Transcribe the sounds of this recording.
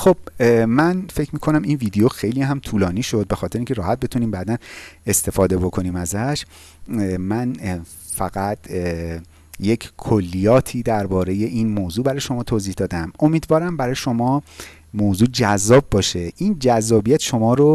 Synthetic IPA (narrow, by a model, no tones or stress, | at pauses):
xob̥̚mænfe̞cʰmiːkʰo̞næminviːd̪ejoxe̞jliːɦæmt̪ʰuːlɒːniːʃo̞d̪̚be̞xɒːt̪ʰeɾeiŋcʰe̞ɾɒːhæt̪̚be̞t̪ʰuniːmbæd̪æne̞st̪e̞fɒːd̪e̞bo̞kʰo̞niːmæzæʃ | mæn | fæɣæt̪ʰ | jecʰkʰolːijɒːt̪ʰiːd̪æɾbɒːɾe̞je̞ʔinmoːzuːbæɾɒːjeʃo̞mɒːt̪ʰoːziːhd̪ɒːd̪æmo̞miːd̪vɒːɾæmbæɾɒːjeʃo̞mɒː | moːzuːd͡ʒæzːɒːbbɒːʃe̞ʔind͡ʒæzːɒːbijæt̪ʃo̞mɒːɾo